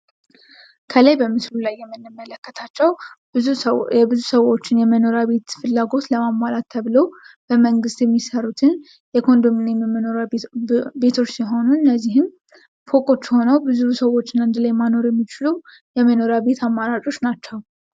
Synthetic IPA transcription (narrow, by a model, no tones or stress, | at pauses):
kʰəlajbəmɨslulajːɛmːɨnːɨmːələkːət̪ʰat͡ʃːɛw | bɨzusəwo̞t͡ʃːɪnjɛməno̞ɾaβe̞t̪fɨlːaɡo̞t̪ləmamːalat̪ːʰəβlob̥əməŋɡɨst̪jɛmːisərːut̪ʰɨn | jɛkʰo̞nd̪omɨnɛmːmnoɾ | be̞t̪ʰo̞t͡ʃːsiɦo̞nuɨnːəzːihɨn | fo̞kʼo̞t͡ʃːjɪho̞nəwbɨzusəwːo̞t͡ʃːɪnɨnd̪əlajmano̞ɾjɛmːit͡ʃɪlu | jɛməno̞ɾaβe̞t̪ʰamːaɾat͡ʃʼo̞t͡ʃːnat͡ʃːɛw